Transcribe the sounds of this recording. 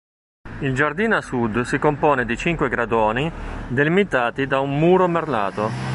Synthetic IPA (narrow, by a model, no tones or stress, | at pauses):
ild͡ʒard̪iːnasud̪sikompɔːned̪it͡ʃiŋkweɡɾad̪ɔːnid̪elimit̪aːt̪id̪aumːuːɾomerla̰ːt̪o